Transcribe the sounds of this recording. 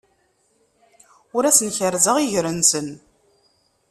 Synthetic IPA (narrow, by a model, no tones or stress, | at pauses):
ʊɾæsənçəɾzəʁiʝɾənsən